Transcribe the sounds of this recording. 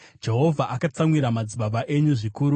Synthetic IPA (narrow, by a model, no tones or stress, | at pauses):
d͡ʒe̞ɦo̞vʱaʔakat͡samwiɾamad͡ziɓabaʔe̞ɲuʐikuːɾu